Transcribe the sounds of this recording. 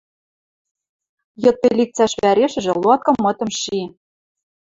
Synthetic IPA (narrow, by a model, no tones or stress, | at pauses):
jɤ̆t̪̚pelʲik̚t͡sæʃβæɾeʃɘ̆ʒĕlɑt̪̚kɤ̆mːɤ̆t̪ɤ̆mʃi